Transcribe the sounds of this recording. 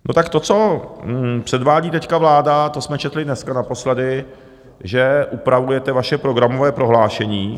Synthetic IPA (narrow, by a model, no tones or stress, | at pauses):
no̞t̪akt̪o̞t͡so̞ | pr̝̥ɛdvaːɟiːt̪ɛckavlaːdat̪o̞smɛt͡ʃɛt̪lɪdnɛskanapo̞slɛdɪ | ʒɛʔupɾavujɛt̪ɛvaʃɛpɾo̞ɡɾamo̞vɛːpɾo̞ɦlaːʃɛɲiː